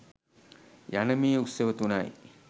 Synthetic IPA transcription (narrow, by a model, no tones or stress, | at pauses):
janəmiːuseʋət̪unaj